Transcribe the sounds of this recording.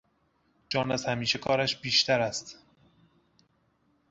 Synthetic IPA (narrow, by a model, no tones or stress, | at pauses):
d͡ʒɒːnæzhæmiːʃe̞kʰɒːɾæʃbiːʃt̪ʰæɾæst̪